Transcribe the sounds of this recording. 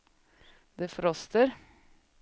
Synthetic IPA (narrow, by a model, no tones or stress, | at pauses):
d̪efɾɔst̪əɾ